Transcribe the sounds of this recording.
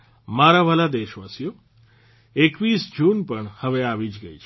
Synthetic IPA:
maɾaʋalad̪eʃʋasijo | ekʋisd͡ʒunpəɳhəʋeaʋid͡ʒɡəit͡ʃʰ

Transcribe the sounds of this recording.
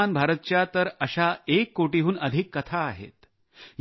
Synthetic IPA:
anbʱaɾət̪̚t͡ɕjat̪əɾəɕaekːoʈiɦuːnəd̪ʱikːət̪ʰaːɦḛt̪ | j

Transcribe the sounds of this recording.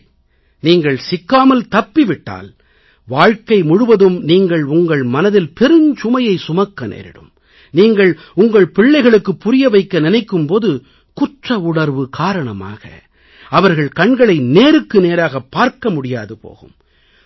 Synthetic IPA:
niːŋɡɐɭsɪkːaːmɐlt̪ɐpːiʋɪʈːa̰ːl | ʋaːɻkɐɪmʊɻɯʋɐðɯmniːŋɡɐɭʊŋɡɐɭmɐnɐðɪlpɛɾɯɲt͡ʃʊmɐjɐɪsʊmɐkːɐnḛːɾɪ̰ɽɯ̰m | niːŋɡɐɭ | ʊŋɡɐɭpɪɭːɐɪɣɐɭɯkːɯpːʊɾɪjɐʋɐɪkːɐnɪnɐɪkːɯmpoːðɯ | kʊʈrɐʊɳɐɾʋɯkʰaːɾɐɳɐma̰ːɣɐ̰ | ɐʋɐɾɣɐɭkɐɳɡɐɭɐɪneːɾɯkːɯneːɾaːɣɐpːaːɾkɐmʊɽɪja̰ːðɯpo̰ːɣɯm

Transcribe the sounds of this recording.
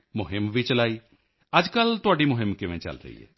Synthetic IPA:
mʊɦɪmʋit͡ʃəlaːiː | ɐd͡ʒkəlt̪ʊaːɖimʊɦɪmkɪʋẽt͡ʃə̰lɾə̰ḭːɛ̰ː

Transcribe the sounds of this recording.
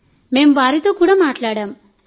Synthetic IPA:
meːmbaːɾit̪oːkuːɽɐmaːʈlaːɽaːm

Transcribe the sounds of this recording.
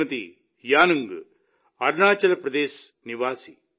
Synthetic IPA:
ɐt̪ḭ | jaːnɐŋɡ | ɐɾnaːt͡ʃɐlɐpɾɐd̪eːs | niʋaːsi

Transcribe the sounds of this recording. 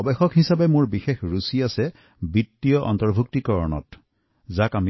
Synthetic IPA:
ɔbɛxɔkɦisabemʊɹbixexɹusiasɛ | bitːijɔʔɔ̰ntɔɹbʱuk̚tikɔɹɔnɔ̰t | zakami

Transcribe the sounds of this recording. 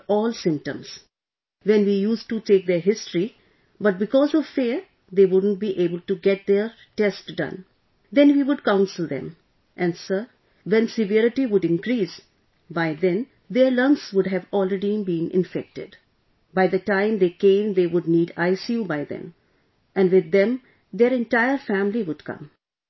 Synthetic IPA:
ɔːlsɪ̃mp̚ʈə̰̃ms | ʋɛ̃nʋiːjuːsʈuʈeːk̚d̪eɾɦɪsʈɾi | bʌʈ̚bɪkɔːzɔʋfiəɾ | d̪eːʋʊɖən̩ʈ̚biʔeːbəlʈuɡɛʈ̚d̪e | ʈɛsʈɖʌ̰̃n | d̪ɛ̃nʋiːʋʊɖkãʊ̃nsəld̪ɛ̰̃m | ʔɛ̃nsə | ʋɛ̃nsɪʋɛɾɪʈiʋʊɖɪ̃nkɾiːs | baɪd̪ɛ̃n | d̪eɾlʌ̃ŋksʋʊɖɦæʋɔːlɾeɖibĩːnʔɪ̰̃ɱfɛk̚ʈɪ̰ɖ | baɪd̪əʈãɪ̃md̪eːkẽɪ̃md̪eːʋʊɖ̚niːɖaɪsjubaɪd̪ɛ̰̃m | ʔɛ̃nʋɪd̪ːɛ̃m | d̪eːɾɛ̃nʈaɪəɾfæ̃mliʋʊɖkʌ̰̃m

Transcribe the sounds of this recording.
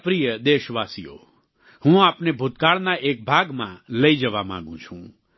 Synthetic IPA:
pɾijəd̪eʃʋasḭjo̰ | hũapnebʱut̪kaɭnaʔek̚bʱaɡmã̰ləid͡ʒəʋamã̰ɡũt͡ʃʰũ

